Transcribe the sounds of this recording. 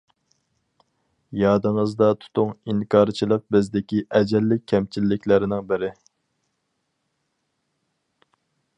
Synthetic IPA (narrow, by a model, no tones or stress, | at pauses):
jɑːd̪ɨŋəzd̪ɑt̪ʰu̥t̪ʰʊŋiŋkʰɑːɾt͡ʃʰilˠəq̚bɪzd̪ɪkʲiʔɛd͡ʒɛlːɪk̚ʲʰːɛmt͡ʃʰilːɪkʲlɪɾɪnɪŋbɪɾɪ